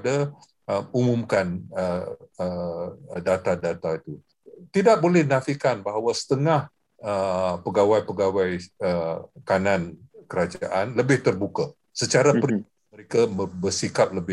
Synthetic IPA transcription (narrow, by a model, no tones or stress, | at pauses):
da | əmumumkanəə | dat̪adat̪ait̪u | t̪idaʔ̚bolɛhnafikanbaɦawasə̥t̪əŋah | əpəɡawajpəɡawajəkanãnkəɾad͡ʒa̰ʔanləbɪht̪ərbuka | sət͡ʃaɾapɾi | məɾekaəbərsikap̚ləbɪ